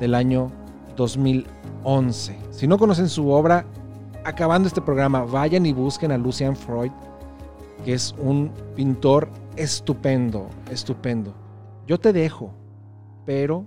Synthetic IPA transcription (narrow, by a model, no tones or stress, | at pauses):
ðe̞laɲo̞ | ðo̞zmil | o̞nse̞sino̞ko̞no̞s̬e̞nsuo̞βɾaː | kaβand̪oest̪epɾo̞ɣ̞ɾamaβaʝaniβuske̞nalusjaɱfɾo̞jð | kee̞sunpint̪o̞ɾe̞st̪upe̞nd̪o̰est̪upe̞nd̪o̞ | ɟ͡ʝo̞t̪e̞ðe̞xo̞ | pe̞ɾo̞